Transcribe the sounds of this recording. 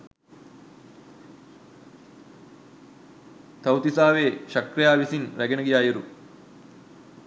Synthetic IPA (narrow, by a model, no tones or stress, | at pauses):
t̪ɐwt̪isaːʋeːʃɐkɾijaːʋisiŋɾɐɡɐnɐɡijaːjiɾu